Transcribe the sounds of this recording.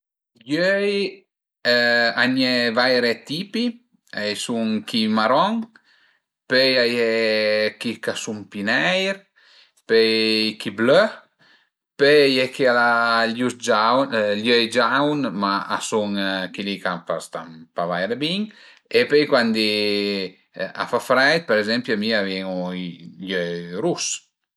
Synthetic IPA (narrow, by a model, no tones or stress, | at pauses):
ljøj | aɲɛvajɾet̪ipi | ajsuŋkimaɾɔŋ | pøjajɛkikasuŋpinɛjɾ | pøjkiblø | pøjɛkialaljusd͡ʒawljøjd͡ʒawnmaa̰suŋkilikapast̪a̰mpavajɾebiŋ | epøjkwand̪i | a̰fafɾɛjt̪̚peɾezɛmpjamiavjɛŋuiljøɾus